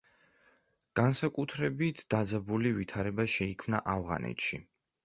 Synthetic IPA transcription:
ɡ̥ansakʼut̪ʰɾɛbit̪ʰd̪̥ad̪zabulivit̪ʰaɾɛbaʃɛikʰmna̰ʔavʁa̰nɛ̰t̪ʃi

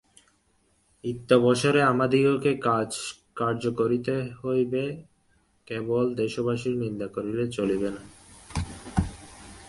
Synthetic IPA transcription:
it̪ːobɔʃoɾeamad̪ʱiɡokekd͡ʑ | kaɾd͡ʑokoɾit̪eɦojbe | kebold̪eʃobaʃiɾnind̪akoɾilet͡ɕolibena

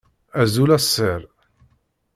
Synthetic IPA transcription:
æzulæsːəɾ

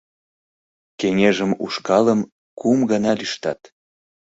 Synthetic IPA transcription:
keŋeʒəmṵʃkɑləm | kumɡɑnɑlyʃt̪ɑt̪

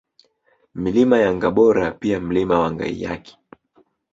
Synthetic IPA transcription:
milimajaŋɡaɓɔɾapiam̩limawaŋɡa̰ḭja̰kɛ̥

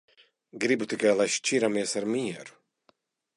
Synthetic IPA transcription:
ɡɾibut̪ikajlˠajʃt͡ʃiɾamiɛsaɾmiɛɾu̥

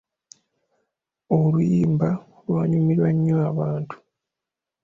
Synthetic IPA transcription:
olujiːmba | lwaːɲumiɾwaɲːoaβaːntʰu̥

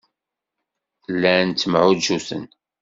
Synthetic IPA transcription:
lːænt͡sːəmʕud̪ʒusə̰n

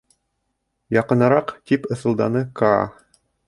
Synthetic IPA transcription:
jɑqɤ̆nɑɾɑqt̪ipɤ̆θɤ̆lˠd̪ɑnɤkɑ̰

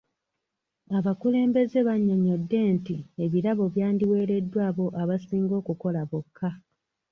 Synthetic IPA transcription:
aβakule̞ːmbe̞ze̞βaɲːoɲo̞dːe̞ntieβiɾaβo̞βjaːndiwe̞ːɾe̞dːwaːβo̞ʔaβasiːŋɡo̞ːkuko̞laβokʰːa

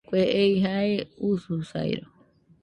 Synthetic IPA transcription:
kʷeʔejɦaeususa̰j̰ɾo

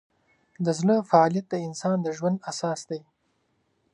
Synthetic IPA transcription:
d̪əzɳəfaɑljat̪̚d̪əɪnsɑnd̪əʒwand̪asɑːsd̪aj

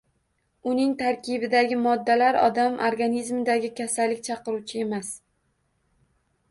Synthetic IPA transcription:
ʊnɪŋt̪ʰaɾkʲʰɪbɪd̪aɡʲɪmɒd̪ːalaɾɒ̰d̪amʔoɾɡanizmɪd̪aɡʲɪkʲʰasalːɪkʲt͡ʃʰɑqɨɾut͡ʃʰɪe̞mas

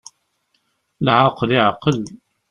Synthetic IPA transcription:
lʕaqəliʕqəl

